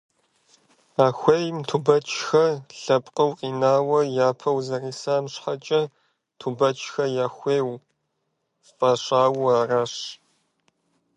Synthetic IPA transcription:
aːxʷeːjmtʰubɐt͡ʃʰʼxɐɬɐpʼqʼɐwqʼiːnaːwɐjaːpʰɐwzɐriːsaːmɕħat͡ʃʼɐ | tʰubɐt͡ʃʰʼxɐjaːxʷeːw | faɕaːwaːraːɕ

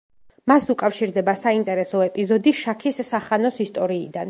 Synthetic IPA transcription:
masukʼafʃiɾd̪ɛbasaint̪ʼɛɾɛsɔɛpʼizɔd̪iʃakʰisːaχanɔsist̪ʼɔɾiːd̪an

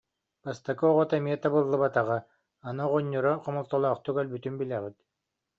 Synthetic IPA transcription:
bast̪akɔɔʁɔt̪amiɛt̪abɯlˠːɯbat̪aʁa | anɔʁɔɲʲːɔɾɔqʰɔmɔlˠt̪ɔlˠɔːχt̪ukœlʲbyt̪ymbilʲɛʁit̪

